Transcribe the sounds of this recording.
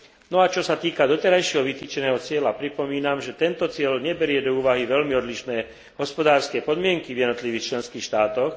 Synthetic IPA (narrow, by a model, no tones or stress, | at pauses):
nɔat͡ʃɔsat̪iːkad̪ɔt̪ɛɾajʃɪɛɦɔʋit̪iːt͡ʃɛnɛːɦɔt͡sɪɛlapɾipɔmiːnamʒɛt̪ɛnt̪ɔt͡sɪɛlɲɛbɛɾɪɛd̪ɔuːʋaɦiʋɛlmiɔd̪liʃnɛː | ɦɔspɔd̪aːɾskɛːpɔd̪mɪɛŋkivjɛd̪nɔt̪liʋiːxt͡ʃlɛnskiːxʃt̪aːt̪ɔx